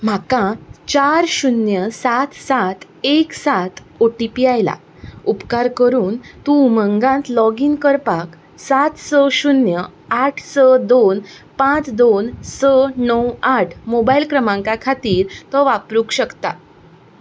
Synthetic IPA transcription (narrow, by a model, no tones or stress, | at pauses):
m̤akãt͡ɕaɾɕunjəsat̪ʰsat̪ʰ | eksat̪ʰ | oʈipiajla̰ | upkaɾkəɾuːnt̪ũməŋɡãnt̪lɔɡiːnkəɾpak | sat̪ʰsəɕunjəaʈʰsəd̪on | pãt͡sd̪onsənəwaʈʰmobailkɾəmãŋkakʰat̪iːɾt̪əʋapɾukɕəkt̪a